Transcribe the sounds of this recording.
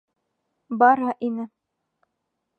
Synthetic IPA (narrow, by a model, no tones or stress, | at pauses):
bɑɾɦɑʔinɘ